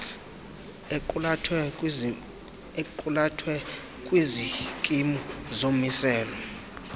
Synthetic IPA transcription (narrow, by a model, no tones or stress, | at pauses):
tʰwɛ | eǃulatʰwɛ | kʼwizikʼimuzomisɛːlɔ